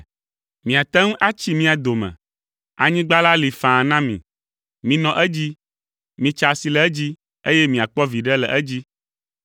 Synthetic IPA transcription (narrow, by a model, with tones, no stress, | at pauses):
mĩ˨a˨t̪ɛ˦ŋũ˦ʔa˦t͡ɕi˦mĩ˦a˨d̪o˨mɛ̰̃˨ | a̰˨ɲĩ˦ɡ͡ba˦la˦li˨fã˨nã˦mḭ̃˨ | mĩ˨nɔ̃˨ʔɛ˦d͡ʑi˦ | mĩ˨t͡ʃa˨si˨lɛ˨ɛ˦d͡ʑi˦ | e˦jɛ˦mĩ˨a˨k͡pɔ˦vi˨ɖɛ˦lɛ̰˨ʔɛ˦d͡ʑi˦